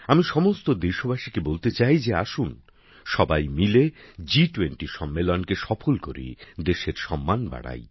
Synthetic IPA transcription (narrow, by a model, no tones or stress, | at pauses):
amiʃɔmost̪od̪eʃobaʃikebolt̪et͡ɕajd͡ʑeaʃun | ʃɔbajmiled͡ʑiʈuweɳʈiʃɔmːelonkeʃɔfʰolkoɾḭd̪eʃeɾʃɔmːanba̰ɽa̰j